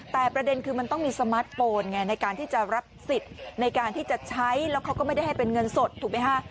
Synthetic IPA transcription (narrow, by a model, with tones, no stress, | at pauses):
t̪ɛː˨˩pɾa˧de˧nkʰɯː˧ma˧nt̪ɔ˥˩ŋmiː˧sa˧maː˦˥t̪̚foː˧nŋa˧˩na˧jkaː˧nt̪ʰiː˥˩t͡ɕa˨˩ɾa˦˥p̚si˨˩t̪̚na˧jkaː˧nt̪ʰiː˥˩t͡ɕa˨˩t͡ɕʰa˦˥jlɛː˦˥wkʰa˦˥wkɔː˥˩ma˥˩jda˥˩jɦa˥˩jpe˧nŋɤ˧nso˨˩t̪ʰːuː˨˩k̚ma˦˥jkʰa˥˩